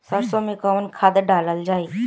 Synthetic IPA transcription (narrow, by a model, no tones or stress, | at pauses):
səɾsõmẽkəənkʰaːd̪ɖaːləld͡ʒaːe